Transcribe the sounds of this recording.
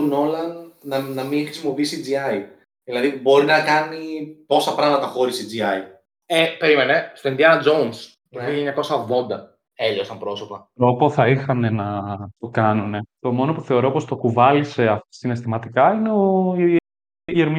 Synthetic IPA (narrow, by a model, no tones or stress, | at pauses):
no̞lɐnːɐnɐmiŋxɾisimo̞piisid͡ziɐj | ðilɐðibo̞ɾinɐkɐnipo̞sɐpɾɐmɐt̪ɐxo̞ɾisid͡ziɐj | epe̞ɾime̞ne̞st̪oind̪iɐnɐd͡zo̞ns | p̪eiçiiɲɐko̞sɐvvo̞nd̪ɐ | e̞ʎosɐmpɾo̞so̞pɐt̪ɾo̞po̞θɐixɐne̞nɐt̪o̞kɐnune̞t̪o̞mo̞no̞puθe̞o̞ɾo̞po̞st̪o̞kuvɐlise̞ɐsine̞st̪imɐt̪ikɐine̞o̞ | ʝeɾmi